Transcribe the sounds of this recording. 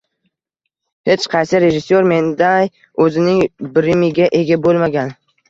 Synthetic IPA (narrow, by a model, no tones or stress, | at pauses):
he̞t͡ʃqʰɑjsɪɾe̞ʒɪsːoɾme̞nd̪aj | ɵzɪnɪŋbɪɾɪmɪɡʲaʔe̞ɡʲabolˠmaɡʲan